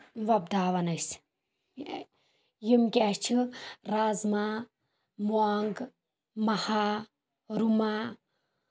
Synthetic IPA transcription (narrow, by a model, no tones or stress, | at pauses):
ʋɐb̚d̪aːʋɐnɐs | jimkʲaːst͡ʃʰiɾaːzma | muaŋɡ | mɐhaː | ɾumaː